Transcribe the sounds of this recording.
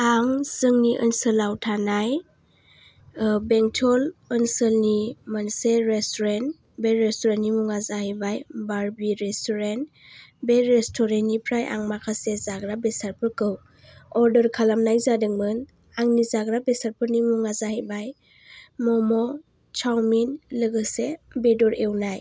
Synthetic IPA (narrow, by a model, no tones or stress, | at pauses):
aŋsɯŋniʔɯnsəlawtʰanaj | beŋtʰɔlənsəlnimanseɾestɔɾen | beɾestɔɾentnimuŋazahibajbaɾbiɾestɔɾent | beɾestʰɔɾenipʰɾajʔa̰ŋmakʰasezaɡɾabesaɾpʰɯɾkɯw | ɔɾdəɾkʰalamnajzadɯŋmɯn | aŋnizaɡɾabesaɾpʰɯɾnimuŋazahibaj | mɔmɔ | t͡ʃʰawminlɯɡɯsebedɔɾewnaj